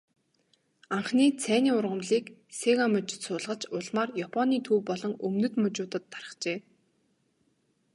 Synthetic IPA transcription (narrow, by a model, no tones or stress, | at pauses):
aɴχniːt͡sʰæːniːʊrʁə̆mɮiːkseɣamɵt͡ɕsʊːɮʁə̆t͡ɕʊɮmaːrjapʰɔniːt̪ʰuːwpɔɮɞ̆ŋɵmnɵ̆t̪mɵt͡ɕʊːt̪ə̆t̪ːarə̥̆χt͡ɕeː